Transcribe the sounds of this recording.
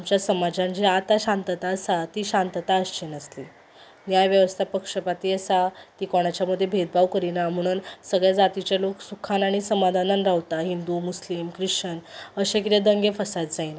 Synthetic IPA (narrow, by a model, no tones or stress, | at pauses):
amt͡ɕjasəmad͡ʑãnd͡ʑiat̪aɕãnt̪ət̪aəsat̪iːɕant̪ət̪aəst͡ɕenəsli | njajʋjəʋəst̪ʰapəkʂəpat̪iːəsat̪iːkɔɽ̃at͡ɕjaməd̪ʱjebʱed̪̚baʋkəɾinam̤əɽ̃uːnsəɡɭjad͡zat̪it͡ɕjaloksukʰanaɽ̃isəmad̪ʱananɾaʋt̪aɦind̪umuslimkɾiɕənəɕẽkit̪ed̪əŋɡefəsat̪̚d͡zaina